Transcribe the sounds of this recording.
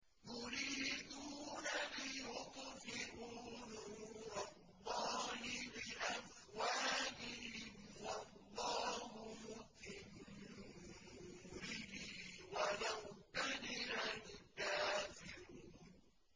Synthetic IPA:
jʊɾiːd̪uːnalijʊqfɪɾuːnuɾɑlˤːɑːhɪbɪʔaf | waːʔɪɦɪmwɑlːɑːɦʊmʊ | ɪmnnuːɾɪhɪwalawkanɪɾalɪkːaːfɪɾuːn

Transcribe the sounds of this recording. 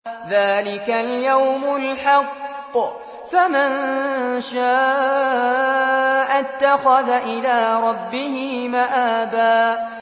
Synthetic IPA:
ðaːlɪkaljawmʊlħɑqː | famɪnʃaː | ʔat̪ːaxaðaʔɪlaːɾˤɑbːɪhɪɪmaʔaːbaː

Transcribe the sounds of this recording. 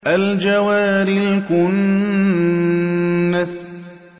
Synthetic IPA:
ʔald͡ʒawaːɾɪlkʊn | as

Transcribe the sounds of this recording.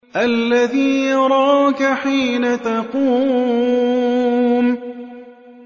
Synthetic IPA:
ʔalːaðiːjɑɾˤɑːkaħiːnat̪ɑquː | m

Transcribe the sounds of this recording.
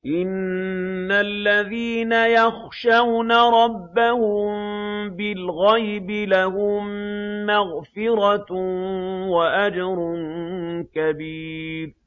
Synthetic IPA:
ʔɪnː | alːaðiːnajaxʃawnaɾˤɑbːahʊmbɪlɣajbɪlahʊmːaɣfɪɾɑ | waʔad͡ʒɑɾˤ | kabiːɾ

